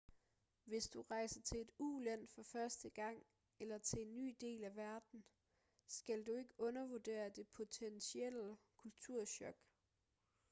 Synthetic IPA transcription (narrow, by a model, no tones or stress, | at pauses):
ʋe̝sd̥uʁɑ̈ɪ̰sɐt͡sʰe̝e̝d̥uːlæn̰fɒ̽fɶɐsd̥əɡ̥ɑ̈ŋ̰ | elɐt͡sʰe̝lenːy̰ːd̥e̝̰ːlæʋæɐd̥n̩ | sɡ̥æld̥ue̝ɡ̥əɔ̽nɐʋod̥e̝̰ːɐd̥e̝pʰo̝t͡sʰensieləkʰult͡sʰuɐ̰ɕɒ̽ɡ̥